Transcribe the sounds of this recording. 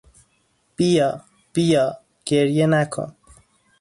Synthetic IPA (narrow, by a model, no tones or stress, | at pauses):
b̥ijɑ | b̥ijɒ | ɡ̥eɾjenakʰo̰n